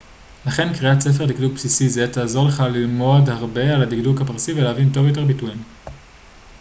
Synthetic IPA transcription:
laχe̞nkʁiatt͡sef̬e̞ʁdik̚duɡ̚psisize̞taːzo̞ʁleχalilmo̞dhaʁbe̞aladikdukhapaʁsiveleavinto̞vjot̬e̞ʁbituim

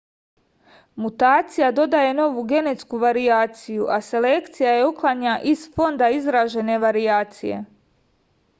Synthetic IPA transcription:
mut̪aːt̪sijad̪o̞d̪aje̞no̞ʋuɡe̞ne̞t̪skuʋaɾijaːt̪sijuʔase̞le̞kt̪sijaje̞uklˠaɲaʔisfo̞nd̪aizɾaʒe̞ne̞ʋaɾiaːt̪sije̞̰

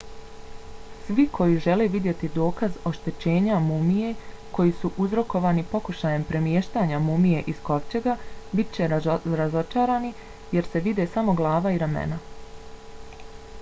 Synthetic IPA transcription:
sʋikʰo̞jiʒe̞le̞ʋid̪je̞t̪id̪o̞ːkazo̞ʃt̪e̞t͡ɕe̞ːɲamumije̞ | kʰo̞jisuʔuzɾo̞ko̞ʋaːnipo̞kuʃaje̞mpɾe̞mjeːʃt̪aɲamumije̞ʔisko̞ʋt͡ɕe̞ɡabit̪̚t͡ɕe̞ɾazo̞t͡ʃaːɾaːni | je̞ɾse̞ʋid̪e̞samo̞ɡlˠaːʋaiɾamḛna

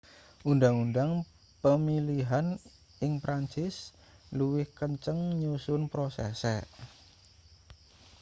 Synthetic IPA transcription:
ʔundaŋundaŋ | pəmiliɦan | ɪŋpɾaɲt͡ʃɪs | luwɪhkəɲt͡ʃəŋɲusʊnpɾosɛ̰sɛ̰

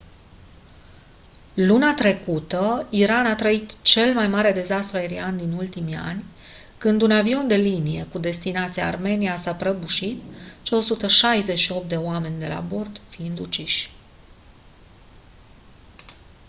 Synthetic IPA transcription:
lunat̪ɾe̞kut̪əiɾanat̪ɾəit̪t͡ʃe̞lmajmaɾe̞d̪e̞zast̪ɾuaeɾiand̪inult̪imia̰nʲ | kɨnd̪unavio̞nd̪e̞linije̞kud̪e̞st̪inat̪siaːrme̞niasapɾəbuʃit̪t͡ʃeo̞sut̪əʃajze̞ʃio̞p̚t̪d̪e̞oame̞nʲd̪e̞la̰bo̞rd̪fiind̪ut͡ʃiʃʲ

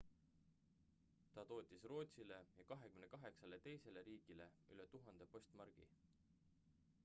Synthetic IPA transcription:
t̪ɑt̪o̞ːt̪ʲːˑisro̞ːt̪ʲsile̞jɑkɑɦe̞kymne̞kɑɦe̞ksɑlet̪e̞jse̞le̞ɾiːɡ̥ile̞yle̞t̪uɦɑnd̪̥e̞po̞st̪mɑrɡ̥ḭ

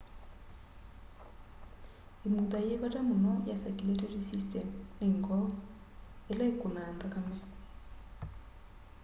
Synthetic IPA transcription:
emuðajeβatamonɔjasɛkuletɛrisistɛmneŋɡɔ | elaekonandakamɛ

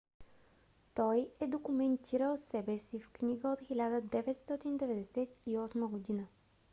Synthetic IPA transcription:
t̪ɔjɛd̪okumɛnt̪ʰiɾəlˠsɛbɛsifknʲiɡəot̪xilʲad̪əd̪ɛvɛt̪st̪ɔt̪ind̪ɛvɛd̪ɛsɛt̪iɔsməɡod̪inə

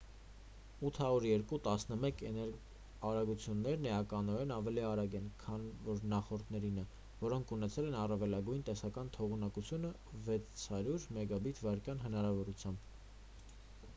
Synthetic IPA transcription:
ut̪ʰhɑɾuɾjɛɾkut̪ɑsnəmɛkɛnɛɾ | ɑɾɑɡut͡sʰjunːɛɾnəjɑkɑnɔɾɛnɑvɛliɑɾɑɡɛnkʰɑnvɔɾnɑχɔɾt̪nɛɾinə | vɔɾɔŋkʰunɛt͡sʰɛlɛnɑrɑvɛlɑɡujnt̪ɛsɑkɑnt̪ʰɔʁunɑkut͡sʰjunə | vɛt͡st͡sʰhɑɾjuɾmɛɡɑbit̪ʰvɑɾkjɑnɦənɑɾɑvɔɾut͡sʰjɑmb

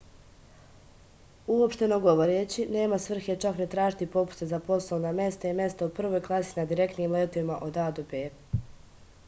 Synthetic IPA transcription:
uopʃt̪e̞noɡoʋo̞ɾet͡ɕine̞ːmasʋr̩xjet͡ʃaknet̪ɾaːʒit̪ipo̞pu̥sezapo̞slˠoʋnamje̞st̪aimje̞st̪aupr̩ʋoːjklˠasinad̪iɾe̞kt̪niːmleːt̪o̞ʋimaʔo̞d̪aːd̪obeː

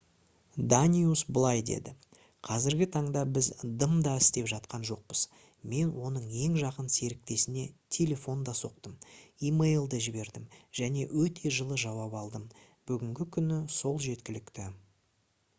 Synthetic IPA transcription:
d̪anʲiusbəlˠɑjd̪e̞̰d̪ɪ | qʰɑzɪɾɡʲɪt̪ʰɑɴd̪ɑbɪzd̪əmd̪ɑɪst̪e̞pʒɑt̪̚qɑnʒo̞q̚pəz̥ | me̞nwo̞nəɴe̞ŋʒɑqənse̞ɾɪk̚t̪e̞sɪne̞t̪ʲʰe̞lʲe̞fo̞nd̪ɑso̞q̚t̪əmimejlˠd̪əʒɪbe̞ɾd̪ɪmʒ̥æne̞wɵt̪ʰe̞ʒəlˠəʒɑwɑpɑlˠd̪əm | b̥ʏɡʲɪŋɡʲɪkʲʰʏnɪso̞lˠʒe̞t̪kʲɪlɪkt̪ɪ

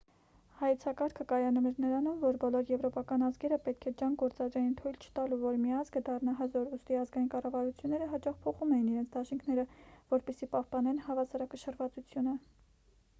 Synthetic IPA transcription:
hɑjɛt͡sʰɑkɑɾkʰəkɑjɑnumɛɾnəɾɑnumvɔɾbɔlɔɾjɛvɾɔpɑkɑnɑzɡɛɾəpɛt̪̚kʰɛd͡ʒɑŋɡɔɾt͡sɑd̪ɾɛjint̪ʰujlt͡ʃʰə̥t̪ɑluvɔɾmiɑzɡəd̪ɑrnɑɦəzɔɾust̪iɑzɡɑjinkɑrɑvɑɾut͡sʰjunːɛɾəɦɑt͡ʃɑχpʰɔχumɛjiniɾɛnt͡sʰd̪ɑʃiŋkʰnɛɾəvɔɾpɛsipɑhpɑnɛnhɑvɑsɑɾɑkəʃəɾvɑt͡sut͡sʰjunə

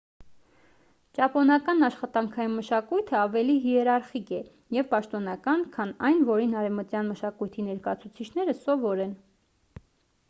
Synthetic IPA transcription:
t͡ʃɑpɔnɑkɑnɑʃχɑt̪ɑŋkʰɑjinməʃɑkujt̪ʰəɑvɛliɦiɛɾɑɾχikɛ | jɛvpɑʃt̪ɔnɑkɑnkʰɑnɑjnvɔɾinɑɾɛvmət̪jɑnməʃɑkujt̪ʰinɛɾkɑɑt͡sʰut͡sʰit͡ʃʰn̪ɛɾəsɔvɔɾɛn

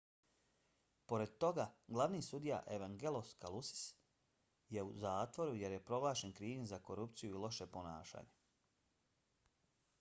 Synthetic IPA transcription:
po̞ɾe̞d̪̚t̪o̞ɡaɡlˠaʋniːsud̪ija̰ʔe̞ʋaŋɡeloskalˠusi̥s | je̞uzaːt̪ʋo̞ɾuje̞ɾje̞pɾo̞ɡlaːʃenkɾiːʋinzako̞ɾupt̪sijuilˠo̞ʃe̞po̞naːʃa̰ːɲe

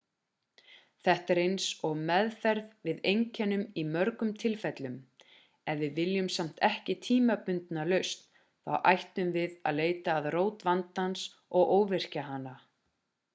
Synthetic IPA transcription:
θɛht̪ɛɾejnsɔɣmɛðfɛɾðvɪðejɲcʰɛnʏmimœɾkʏmt̪ʰɪlfɛt̪lʏm | ɛnvɪðvɪljʏmsam̥t̪ɛhcɪt̪ʰiːmapʏnt̪nalœɥst̪ | θa̰wʔajht̪ʏmvɪðaðleːjt̪aːðroːwt̪vant̪hans | ɔɣʔoːwvɪr̥caɦanːa

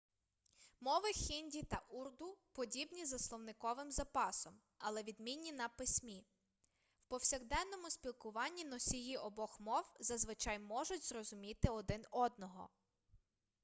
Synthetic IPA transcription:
mɔʋɪxʲinʲdʲit̪ɐʔurd̪ʊpɔdʲibnʲizɐslˠɔwnɪkɔʋɪmzɐpɑsɔm | ɐlˠɛʋʲid̪mʲinʲːinɐpɪsʲmʲi | wpɔwsʲɐɣd̪ɛnːɔmʊsʲpʲilˠkʊʋɑnʲːinɔsʲijiʔɔbɔxmɔwzɐzʋɪt͡ʃɑjmɔʒʊtʲzrɔzʊmʲit̪ɪɔd̪ɪnɔd̪̚nɔɦɔ̰

